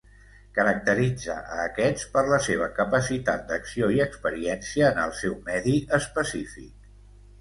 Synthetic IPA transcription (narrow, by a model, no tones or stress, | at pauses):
kəɾək̚t̪əɾid͡zə̰ʔəːkɛt͡spəɾləseβ̞əkəpəsit̪at̪̚d̪əksioiəkspəɾiɛnsiəːnə̰lˠsɛwmɛðiəspəsifḭk̚